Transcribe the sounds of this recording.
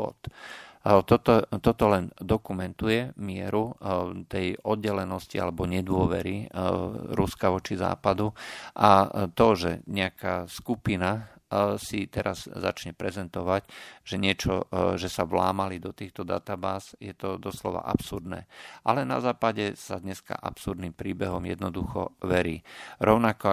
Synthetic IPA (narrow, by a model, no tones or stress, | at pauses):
ɔ̰t̪ | t̪ɔt̪ɔt̪ɔt̪ɔlɛnd̪ɔkumɛnt̪ujɛmɪɛɾut̪ɛjɔd̪̚ɟɛlɛnɔscia̰lɛbɔɲɛd̪ʊɔʋɛ̰ɾi | ɾuskaʋɔt͡ʃiza̰ːpad̪uʔat̪ɔʒɛ̰ɲɛakaːskupina | sit̪ɛɾaz̥ːa̰t͡ʃɲɛpɾɛzɛnt̪ɔʋacʒ̥ɛɲɪɛt͡ʃɔʒɛsaʋla̰ːmalid̪ɔt̪iːxt̪ɔd̪a̰t̪abaːzjɛt̪ɔd̪ɔslɔ̰ʋa̰ʔa̰psuɾd̪nɛ̰ːʔa̰lɛna̰zaːpaɟɛsad̪ɲɛska̰ʔa̰psuɾd̪nimpɾiːbɛɦɔmjɛ̰d̪nɔd̪uxɔ̰ʋɛɾiːɾɔʊnakɔ